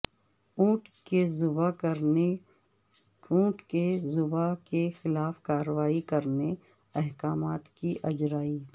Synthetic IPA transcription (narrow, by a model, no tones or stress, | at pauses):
uːʈkezʊbakəɾe | ũːʈkezʊbakexɪlaːfkaːɾəʋaːikɐɾne | ɛɦkaːmaːt̪kiʔɐd͡ʒɾaːiː